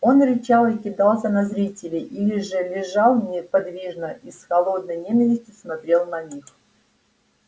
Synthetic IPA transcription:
o̞nɾʲɪt͡ɕalˠɪkʲɪd̪ɑlˠsʲənɐzɾʲitʲɪlʲɪʔilʲɪʐɨlʲɪʐɑlˠnʲɪpɐd̪vʲiʐnəisxɐlˠo̞d̪̚nəjnʲenʲəvʲɪsʲtʲjʊsmɐt̪ɾʲe̞lˠnɐnʲix

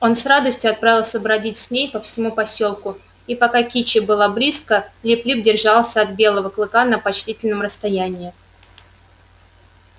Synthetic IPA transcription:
o̞nsrad̪əsʲtʲjʊɐt̪̚pɾavʲɪlˠsʲəbɾɐdʲitʲsʲnʲejpəfsʲɪmupɐsʲo̞lˠkʊ | ipɐkakʲit͡ɕɪbɨlˠablʲiskəlʲɪplʲibdʲɪrʐalˠsʲəɐt̪̚bʲe̞lˠəvəklˠɨkanəpɐt͡ɕtʲitʲɪlʲnəmrəst̪ɐjænʲɪː

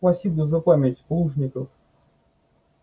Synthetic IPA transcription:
pɐsʲibʊzɐpamʲɛtʲplˠuʐnʲɪkəf

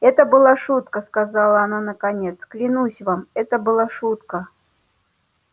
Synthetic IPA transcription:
ɛt̪əbɨlˠaʂut̪̚kəskazalˠəːnanəkanʲet̪sklʲɪnusʲvamɛt̪əbɨlˠaʂut̪kə

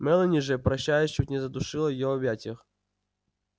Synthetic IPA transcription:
mɛlˠɐnʲiʐɛpɾɐɕːajɛɕutʲnʲɪzɐd̪ʊʂɨlˠɐjɪɔbʲatʲɪx

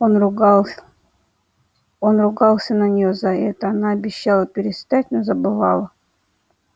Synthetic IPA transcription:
onrʊɡlˠ | onrʊɡɑlˠsʲənənʲɪjozaɛt̪əanaɐbʲɪɕːalˠəpʲɪɾʲɪst̪atʲnəzəbɨvɑ̰lˠə

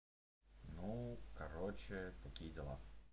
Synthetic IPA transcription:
nukɐɾot͡ɕɪt̪ɐkʲijədʲɪlˠa̰

